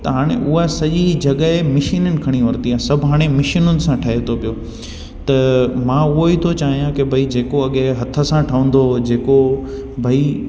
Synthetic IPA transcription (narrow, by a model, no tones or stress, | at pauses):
t̪ɐɦaːɽ̃ḛʔʊɦasɐʄid͡ʑɐɠəemɪʃiːnənɪ̆kʰɐɽ̃iʋɐɾt̪iaːsɐbʱɦaːɽ̃emɪʃɪnʊnɪ̆sãʈʰɐɦet̪ʰopijo | t̪ɐmãːʊɦoiːt̪ʰot͡ɕaːɦijãkebʱɐid͡ʑeːkoɐɠeɦɐt̪ʰə̆sãʈʰɐʋə̃n̆d̪od͡ʑeːko | bʱɐi